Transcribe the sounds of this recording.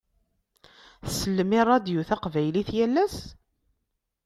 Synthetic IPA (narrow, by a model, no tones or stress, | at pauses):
θsəlːmɪɾˤɑd̪juθæqvæjliθjælːæs